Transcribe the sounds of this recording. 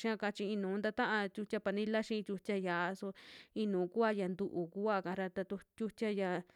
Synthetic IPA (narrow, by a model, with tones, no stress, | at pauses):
ʃã˦˧ka˧t͡ʃi˧i˧nũː˨˦nd̪a˧t̪ã˦ʔã˧tʲu˧t͡ʃʲa˦pa˧nĩ˦la˦ʃĩ˧˦˧t̪ʲu˧tʲa˧ja˨a˧so˧ĩ˧nũː˨˦ku˦a˦ja˨nd̪u˧ʔu˨ku˦a˦˨kã˨˧ɾa˧t̪a˧t̪u˧tʲu˦t͡ʃʲa˦ja˧